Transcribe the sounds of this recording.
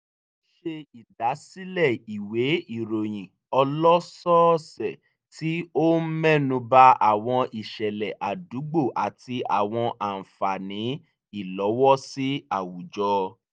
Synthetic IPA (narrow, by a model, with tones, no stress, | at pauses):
ʃe˧i˨da˨˦si˦lɛ˦˨i˨we˨˦i˦˨ɾo˨j̃ĩ˨ | ɔ˧lɔ˦sɔ˦sɛ˨ | ti˨˦o˦m̩˦mɛ˦˨nũ˧ba˦a˨w̃ɔ̃˧i˨ʃɛ˨lɛ˨ʔa˨du˨˦ɡ͡bo˦˨ʔa˨ti˧a˨w̃ɔ̃˧ʔa˨n̩˨fa˨nĩ˨˦ | i˦˨lɔ˨˦wɔ˦si˦a˦˨wu˨d͡ʒɔ˧˦